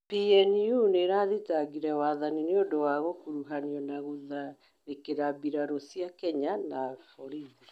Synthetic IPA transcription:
piɛnjuneɾaðitaɣiɾɛwaðanineodowaɣokuɾuɦaniɔnaɣoða | mekeɾabiɾaɾosiakɛɲanafɔɾiði

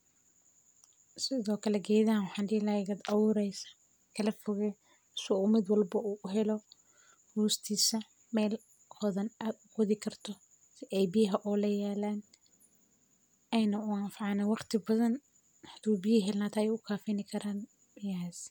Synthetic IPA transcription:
sɪðɔːkʰɐlɛɡɛːðaːnwɑħɑːnɖɪːlaːjɣɐd̪ɐwʊːɾɛjsɐ̥ | kʰɐlɐfʊɣɛ | sɔuːmɪd̪wɑlbɐʔuːʔʊɦɛlɔ | huːst̪ʰiːsɐ | mɛːl | ɔðɐnad̪ʊɡwɐðɪkʰɐrt̪ʰɔ | sɪʔɛjbɪjɐɦɐʔɔːlɐjaːlaːn | ɛjnɐʊaːnfɑʕɑnɐwɑqt̪ʰɪbɐðɐn | ħt̪uːbjɪɦɛlnaːt̪ʰaɛjʊkʰaːfɪnɪkʰɐɾaːn | bɪjaːs

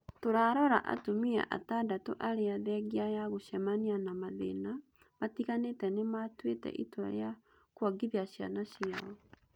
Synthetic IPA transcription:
toɾaɾɔɾa̰ʔa̰tomia̰ʔa̰tadato̰ʔaɾeaðɛɡiajaɣoɕɛmanianamaðḛna | matiɣanetɛnematwetɛ̰ʔitwɛɾea | kwaɡiðiaɕja̰naɕiaɔ

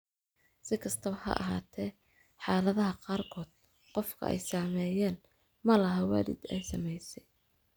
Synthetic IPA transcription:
sɪkʰɐst̪ʰɐβɐhɐ̰ʔɐ̰ɦa̰ːt̪ʰɛː | ħɑːlɐðɐɦɐqɑːrkʰɔːd̪̥̚ | qɔfkʰɐ̰ʔɛ̰jsaːmɛːjɛːn | mɐlɐɦɐwɑ̰ːdɪ̰d̪ɛ̰jsɐmɛjsɛ̥j

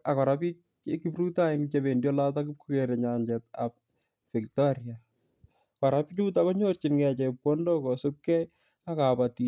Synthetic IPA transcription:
akɔɾapi | ekipɾutaɪnt͡ʃeβendjɔlat̬ak̬up̚kukeɾeɲaɲd͡ʒɛta̰p̚ | fiktɔɾja | kɔɾapt͡ʃut̬akɔɲort͡ʃɪnŋɛt͡ʃɛp̚kɔndɔkɔsʊkːɛj | akapati

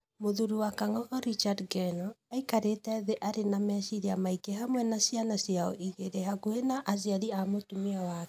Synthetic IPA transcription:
moðuɾuwakaŋɔɣɔɾit͡ʃadɡɛnɔaikaɾetɛðeʔaɾenamɛʃiɾiamaikeɦamwɛnasianasjaɔ̰ʔiɣeɾehaɣuhenaʔaziaɾiamotumiawakɛ̥

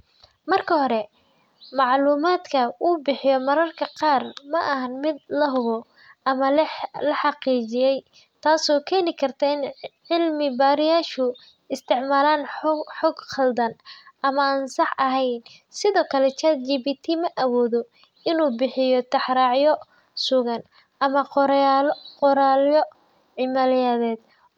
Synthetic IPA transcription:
mɐrkʰɐɦɔɾɛ | mɑʕluːmaːd̪kʰɐuːbɪħɪjɔmɐɾɐrkʰɐqɑːrmɐʔɐɦɐnmɪd̪̚lɐɦʊβɔ | ɐmɐlɐħɑqiːt͡ʃɪjɛj | t̪ʰaːsɔːkʰɛːnɪkʰɐrt̪ʰɐɪnʕɪlmɪbaːɾɪjaːʃʊ | ɪst̪ʰɪʕmaːlaːnħɔɡχɐld̪ɐnʔɐmɐaːnsɑħʔɐɦɛjn | sɪðɔːkʰɐlɛt͡ʃʰɐt͡ʃiːbit̪ʰimɐʔɐwɔːðɔ | ɪnuːbɪħɪjɔt̪ʰɐħɾɑʕjɔ | sʊɣɐn | ʔɐmɐqɔɾqɔɾaljɔ | ʕɪmalɪjaːðɛːd̪̚

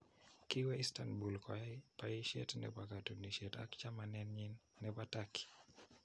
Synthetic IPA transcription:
kɪwɛistanbulkʰɔjapaɪʃɛ̰tnɛ̰pakatoniʃɛta̰kt͡ʃamanɛnɲinːɛpataki̥

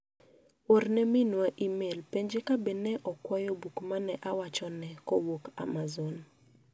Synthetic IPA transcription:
oɾnɛmɪnwaʔimelpeɲd͡ʒekabenɛʔɔkwɔjɔbukmanɛʔawat͡ʃɔnɛkɔwoka̰mazon

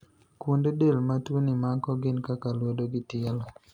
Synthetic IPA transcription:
kwundedelmatwunɪmakɔɡɪnkakalwodoɡɪtɪɛlɔ

